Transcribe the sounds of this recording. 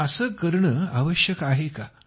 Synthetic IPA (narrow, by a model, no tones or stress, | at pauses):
əsəːkəɾɳəːaʋəɕjəkaɦeka